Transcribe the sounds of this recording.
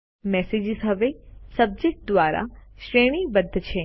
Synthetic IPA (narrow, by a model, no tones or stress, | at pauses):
mɛːseːd͡ʒɪzɦɐʋesɐb̚d͡ʒek̚ʈ̚d̪ʋaːɾa̰ʃɾeːɽ̃ibəd̪ʱːət͡ʃʰeː